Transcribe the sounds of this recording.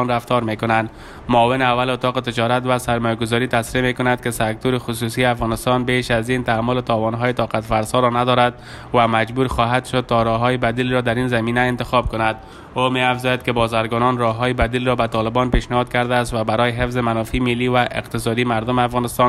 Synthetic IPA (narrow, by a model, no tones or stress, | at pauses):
nɾaft̪ɔɾmekʊnand̪ | mʊːvɪnɪavːalʊt̪ɒqɪt̪ɪd͡ʒɒɾat̪vasaɾmɔjaɡʊzɔɾit̪asɾiemekʊnad̪̚kɪsak̚t̪uɾɪxʊs̬usiafɣɒnɪst̪ɔnbeʃazint̪aamːʊlɪt̪ɒwɔnɦɔjɪt̪ɒqat̪faɾsɔɾɔnad̪ɔɾad̪̚ | wamad͡ʒbuɾxɔɦad̪ʃʊd̪̚t̪ɔɾɔɦɔjɪbad̪ilɾɔd̪aɾinzaminaɪnt̪ɪxɒb̚kʊnad̪ | omeafzɔjad̪̚kɪbɔzaɾɡɔnɔnɾɔɦɔjɪbad̪ilɾɔbat̪ɒlɪbɔnpeʃnɪhɔd̪̚kaɾd̪aːst̪wabaɾɔjɪɦɪfzɪmanɔfimɪlːivaʔɪ̰qt̪ɪsɔd̪imaɾd̪ʊmɪafɣɒnɪst̪ɔn